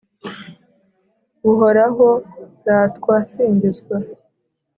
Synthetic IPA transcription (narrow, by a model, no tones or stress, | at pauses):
ɡuɦoɾaɦoɾaːtkwaːsiːɲbizɡwa